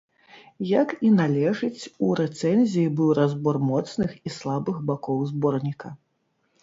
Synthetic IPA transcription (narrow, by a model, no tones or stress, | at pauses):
jɐkinalʲɛʐɨt͡sʲuɾɛt̪sɛnʲzʲijibɨwɾazbɔrmɔt̪snɨxislˠabɨxbakɔwzbɔrnʲikɐ